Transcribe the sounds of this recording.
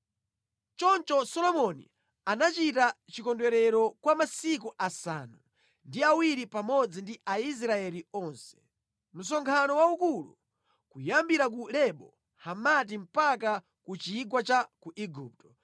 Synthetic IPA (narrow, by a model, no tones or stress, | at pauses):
t͡ʃɔnt͡ʃɔsɔlɔmɔnḭ | anat͡ʃitat͡ʃikɔndwɛɾɛɾɔkwamasik̬uʔasa̰nu | ndiawiɾipamɔd͡zindiais̬ɾaɛliɔnsɛ̥ | m̩s̬ɔŋkʰanɔwaukulṵ | kujambiɾak̬ulɛɓɔ | hamat̬im̩paka | kut͡ʃiːɡwat͡ʃakuʔiɡup̚tɔ̥